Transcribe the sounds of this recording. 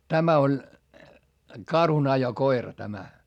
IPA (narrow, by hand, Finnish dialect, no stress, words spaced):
tæmæ olʲ kɑrhunɑjokoirɑ tæmæ